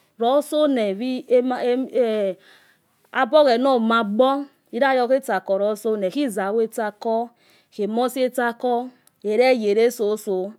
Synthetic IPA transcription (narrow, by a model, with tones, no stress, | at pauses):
ɾɔ˨˦so˦nɛ˨vi˦˨ | a˦bɔ˦ɣɛ˨nɔ˦˨ma˨ɡ͡bɔ˦ | i˦ɾa˦˨jɔ˧ke˦ta˨kɔ˨ɾɔ˨˦so˦nɛ˨ki˦˨za˨we˦ta˧kɔ˦ | ke˨mɔ˦si˦e˦ta˧kɔ˦ | e˨ɾe˦˨je˨ɾe˦so˨˦so˨